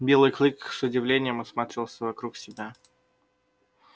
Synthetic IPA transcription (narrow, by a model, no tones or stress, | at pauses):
bʲelˠɨjklʲˠɨksʊdʲɪvlʲenʲɪjəmɐsmat̪ɾʲɪvʲɪlˠsʲəvɐkɾuksʲɪbʲa